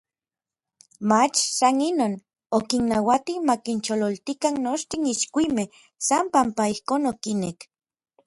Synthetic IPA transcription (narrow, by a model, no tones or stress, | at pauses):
mat͡ʃsaninoːn | okinːawat̪imakint͡ʃololt̪ikanːoʃt̪iniʃkʷime | sampampaihkoːnokinek